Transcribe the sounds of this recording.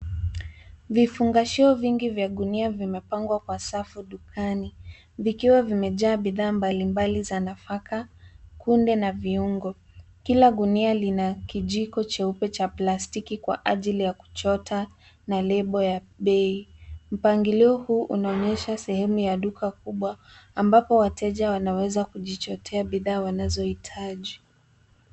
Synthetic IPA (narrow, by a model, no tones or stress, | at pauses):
vifuŋɡaʃiɔviŋɡivjaɗuniavimɛpaŋɡwakwasafuɗukʰani | vikiwavimɛʄaːɓiðaːmbalimbalizanafakakundɛnaviuŋɡɔ | kilaɠunialinakiʄikɔt͡ʃɛupɛt͡ʃaplastikikwaʔaʄilijaku̥t͡ʃɔta | nalɛɓɔja | ɓɛim̩paŋɡiliɔhuːʔunaɔɲɛʃasɛhɛmujaɗukʰakuɓwaambapɔwatʰɛʄawanawɛzakuʄit͡ʃɔtʰɛaɓiðaːwanazɔhitʰaʄi